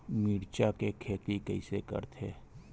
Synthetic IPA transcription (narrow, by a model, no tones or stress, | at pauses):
miːɾt͡ʃakekʰeːt̪ikəɪsekə̰ɾt̪ʰeː